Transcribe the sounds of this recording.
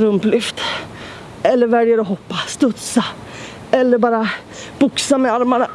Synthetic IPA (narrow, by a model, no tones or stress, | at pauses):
ɾɵmplʏft̪ | ɛlːəɾvæɾjaɾɔɦɔpːast̪ɵt̪sa | ɛlːəɾbɑːɾa | b̥ʊksamɛaɾmana